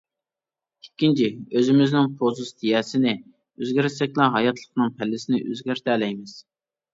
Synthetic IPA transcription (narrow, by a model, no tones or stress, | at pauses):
e̥kʲːint͡ʃʰiøzɪmɪznɪŋpʰozust̪ʰijɛːsɪnɪ | øzɡʲɪɾɪsɛkʲlˠæɦɑjɑt̪ʰlˠəqnɨŋpʰælːɪsɪnɪʔø̰zɡʲæɾt̪ʰɛlɛjmɪz̥